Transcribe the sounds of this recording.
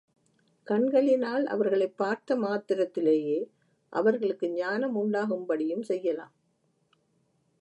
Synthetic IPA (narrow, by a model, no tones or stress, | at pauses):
kɐɳɡɐɭɪnaːlɐ̰ʋɐɾɣɐɭɐɪpːaːɾt̪ɐmaːt̪ɪɾɐt̪ːɪleːjeː | ʔɐ̰ʋɐɾɣɐɭɯkːɯɲaːnɐmʊɳɖaːɣɯmbɐɽɪjɯmsɛjːɐlaːm